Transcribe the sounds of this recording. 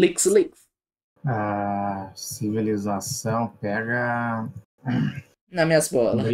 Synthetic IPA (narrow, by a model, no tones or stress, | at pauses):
liksliks | a | sivilizasɐ̃w̃pɛɡɐ | nɐmĩɲɐsbɔlɐ